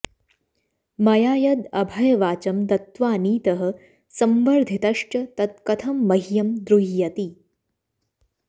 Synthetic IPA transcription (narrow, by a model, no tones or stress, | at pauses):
mɐjaːjɐd̪ɐbʱɐjɐʋaːt͡ʃɐmt̪ɐt̪ʋaːniːt̪ɐɦɐ̆ | sɐmbɐɾd̪ʱit̪ɐʂʈɐt̪ɐt̪̚kɐt̪ʰɐmːɐɦjɐmd̪ɾuɦijɐt̪i